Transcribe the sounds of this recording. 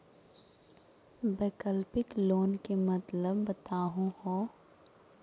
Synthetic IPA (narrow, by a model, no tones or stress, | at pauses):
beːkəlpɪkloːnkemɐt̪ləbːɐt̪aːɦũhoː